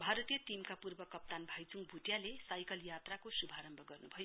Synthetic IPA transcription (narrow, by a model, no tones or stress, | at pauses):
bʱaɾʌt̪ijʌt̪imkapurbʌkʌp̚t̪anbʱajt͡suŋɡbʱut̪jalesajkʌljat̪rakosubʱaɾʌmbʱʌɡʌrnubʱʌjo